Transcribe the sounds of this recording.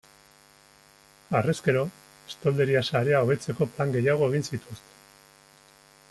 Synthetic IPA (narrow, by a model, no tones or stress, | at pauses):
areske̞ɾo̞ | e̥st̪o̞ld̪e̞ɾiasaɾe̞ao̞βe̞t͡se̞ko̞plaŋɡe̞jaɣ̞o̞e̞ɣ̞insit̪ust̪e̥n